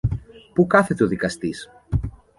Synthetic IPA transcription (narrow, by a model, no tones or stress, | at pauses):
pukɐθe̞t̪eoðikɐst̪is